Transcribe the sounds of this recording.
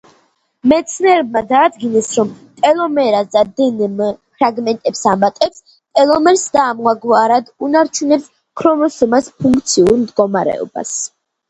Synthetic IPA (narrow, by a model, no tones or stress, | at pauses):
mɛt̪sʰnɛɾɛb̚mad̪aːd̪ɡinɛsɾɔmt̪ʼɛlˠɔmɛɾaszad̪ɛnɛmpʰɾaɡmɛnt̪ʼɛpsamat̪ʼɛps | t̪ʼɛlˠɔmɛɾsd̪aːmaɡwaɾad̪unaɾt͡ʃʰunɛps | kʰɾɔmɔsɔmaspʰuŋk̚ʰt̪sʰiuɾmd̪ɡɔmaɾɛ̰ɔ̰ba̰s